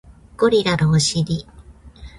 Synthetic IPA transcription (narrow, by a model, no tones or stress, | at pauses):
ɡ̥oɾʲiɾaɾoːɕiɾʲi